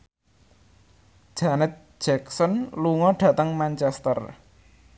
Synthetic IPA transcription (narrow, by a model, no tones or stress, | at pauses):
ʒ̥anɛt̪̚ʒ̥ɛksɔnluŋɔɖ̥ä̤t̪əŋmant͡ʃɛst̪ə̰r